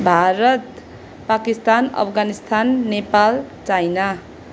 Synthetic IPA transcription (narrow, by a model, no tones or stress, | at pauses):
bʱaɾʌt̪ | pakist̪anʌ̰pʰɡanist̪anːepalt͡sajna